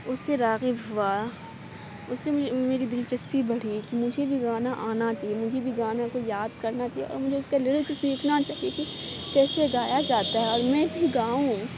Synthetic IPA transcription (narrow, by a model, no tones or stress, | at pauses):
ʊsːeɾaːɣibɦʊa | ʊseʊmeːɾid̪ɪlt͡ʃɐspibɐɽ̤ikimʊd͡ʒʱebʱiɡaːnaʔaːnat͡ʃaːɦiemʊd͡ʒʱebʱiɡaːnakojaːd̪̚kɐɾnat͡ʃaːɦieɔ̰ːmʊd͡ʒʱeʊskalɪɽsesiːkʰnat͡ʃaːɦijeki | kɛːseɡaːjad͡ʒaːt̪aɦɛɔːɾmɛ̃ːbʱiɡaːũ